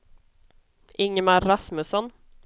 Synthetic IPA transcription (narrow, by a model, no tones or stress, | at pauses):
ʔɪŋəmaɾːasmɵsɔn